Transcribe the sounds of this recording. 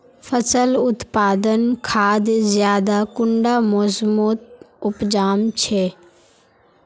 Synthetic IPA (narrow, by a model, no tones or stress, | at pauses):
fəsəlʊt̪paːd̪ənkʰaːd̪zjaːd̪akʊɳɖamoːzmoːt̪̚ʊpd͡ʒaːmt͡ʃʰeː